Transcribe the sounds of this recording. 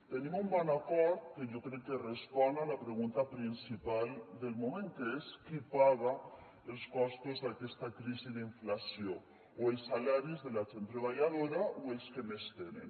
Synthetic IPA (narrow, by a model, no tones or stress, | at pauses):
t̪enimumbɔnakɔɾt̪̚keʒokɾɛkːerespɔnalapɾeɣunt̪apɾinsipald̪elmumẽŋkeeskipaɣ̞a | elskɔst̪uzðakɛst̪akɾiziðiɱflasjo | oelsːalaɾizðelat͡ʃent̪ɾeβ̞aʎaðoɾaʔoelskemest̪enḛn